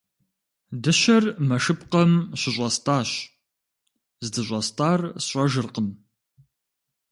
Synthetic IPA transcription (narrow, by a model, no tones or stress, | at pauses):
dɨɕɐrmɐʂɨpqɐmɕɪʑʷʼɐstʼaːɕ | zdɨʑʷʼɐstʼaːrsɕʷʼɐʒɨrqən